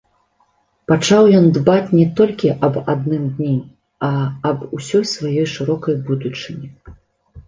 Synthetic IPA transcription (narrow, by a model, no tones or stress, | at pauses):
pat͡ʂawjɔnd̪bat͡sʲnʲɛt̪ɔlʲkʲiʔɐbad̪nɨmd̪ʲnʲi | ɐɐbusʲɔjsvajɔjʂɨɾɔkɐjbud̪ut͡ʂɨnʲi